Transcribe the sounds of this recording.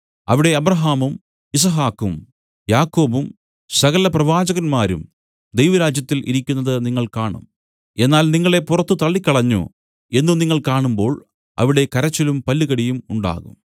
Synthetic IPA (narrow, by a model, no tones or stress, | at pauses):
ɐ̰ʋiɽe̞ɐbrɐɦaːmum | is̬ɐɦaːkːum | jaːkːo̞ːbum | sɐɣɐlɐprɐʋaːd͡ʑɐɣɐnmaːɾṵm | d̪ejʋɐɾaːd͡ʑjɐt̪ːilḭɾikʲːunːɐðɨniŋːɐɭkaːɳṵm | e̞nːaːlniŋːɐɭe̞purɐt̪ːut̪ɐɭːikʲːɐɭɐɲːṵ | e̞nːuniŋːɐɭkaːɳumbo̞ːɭ | ɐ̰ʋiɽe̞kɐɾɐt͡ɕːɐlumpɐlːiɣɐɽijumuɳɖa̰ːɣṵm